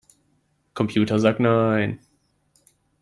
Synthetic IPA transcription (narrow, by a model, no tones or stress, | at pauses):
kʰɔ̃mpʰjuːtəzaknaɪn